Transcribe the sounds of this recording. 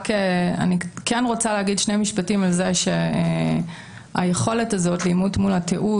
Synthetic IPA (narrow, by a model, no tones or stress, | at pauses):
kea̰nikenʁo̞t͡saleaɡidʃnemiʃpatimalze̞ʃe | a̰jeχo̞le̞tazo̞tlimutmulatʰeʔu